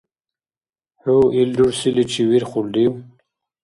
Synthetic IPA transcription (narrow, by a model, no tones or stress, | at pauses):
huild̪uɽsilit͡ɕʰiwiɾχuld̪iw